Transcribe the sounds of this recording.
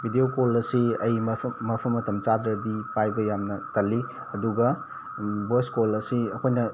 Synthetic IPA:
bʱidiokolɐsiɐjmɐmɐpʰɐmːɐtʰɐmt͡ʃadɾɐdipajbɐjamnɐtɐlːi | ɐduɡɐ | boskolɐsiɐkʰojnɐ

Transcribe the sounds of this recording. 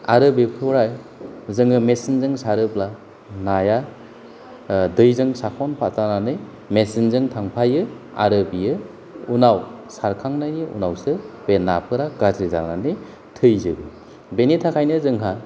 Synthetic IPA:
a̰ɾɯbipʰɯwɾaj | zɯŋɯmesinzɯŋsaɾɯpla | naja | dɯjzɯŋsakʰɔnpʰatananɯj | mesinzɯŋtʰaŋpʰajɯ | a̰ɾɯbijɯ | unawsaɾkʰaŋnajniṵnawsɯbenapʰɯɾaɡatɾiza̰nanɯj | tʰɯjzɯbɯ | benitʰakʰajnɯzɯŋɦa

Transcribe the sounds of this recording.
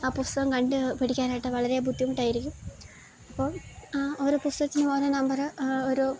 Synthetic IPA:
aːpust̪ɐɣɐmkɐɳɖɨpɐɽikʲːaːnaːjiʈːɨʋɐɭɐɾebʱud̪ːijmuʈːɖaːjiɾikʲːum | ɐpːo̞ːɭoɾupust̪ɐɐt̪ːinɨmoɾɐnɐmbɐrɨoɾu

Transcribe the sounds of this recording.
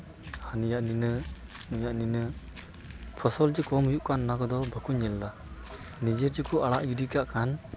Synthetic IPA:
hanijaʔninɯ | nujaʔninɯ | pʰɔsɔld͡ʒikɔmujuʔkanːakɔd̪ɔbʱəkuɲːɛlːa | nid͡ʒəɾd͡ʒikʰuʔaɽaʔɡidikaʔkʰan

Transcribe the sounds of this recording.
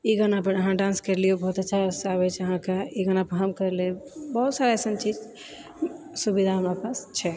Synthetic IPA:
iɡənapəɾəɦãɖãnskəɾliobʱɔɦut̪ətːʃʰasaβɛt͡ʃʰəɦãkaiɡənapəɾɦəmkəɾlebɔɦut̪saɾesənt͡ʃid͡ʒ | subid̪ʱaɦəmɾapast͡ʃʰɛ

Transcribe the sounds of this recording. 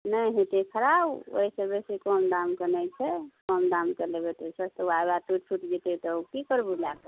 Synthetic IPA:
nəjɦet̪ekʰəɾabo̰ɦisebesikɔmd̪amkənɛjt͡ʃʰɛkɔmd̪amt͡ʃəlebet̪esəst̪uabaʈuʈ̚pʰuʈd͡ʒit̪et̪ɔukikəɾbulake

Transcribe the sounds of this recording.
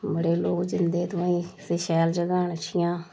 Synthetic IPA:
bəɽeːloːkd͡ʒɪnd̪eːt̪oãːĩːseʃɛːld͡ʒəɡaːɳəʃʰɪjãː

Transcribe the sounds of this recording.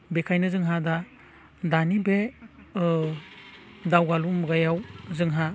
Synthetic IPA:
bekʰajnɯzɯŋɦada | danibe | dawɡalumuɡajawzɯŋɦa

